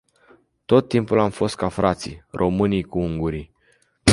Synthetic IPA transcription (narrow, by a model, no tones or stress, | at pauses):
t̪o̞t̪ːimpulamfo̞st̪̚kafɾʔat̪sḭrʔo̞mɨnijkuuŋɡuɾi